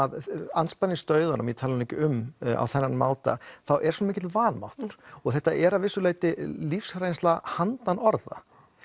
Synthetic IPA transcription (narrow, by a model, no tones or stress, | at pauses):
ðanspanːɪst̪œːɥðaɾamjɛt̪ʰaːlɾʏnɛcɪʏma̰wθɛnːanma̰ːwt̪a̰θawʔɛɾsɔnamɪːcɪt̪vaːnma̰wht̪ʏɾ̥ɔɣθɛht̪ːaʔɛɾavɪsːʏlaːjt̪ɪlifsɾejnst̪lahant̪anɔɾða̰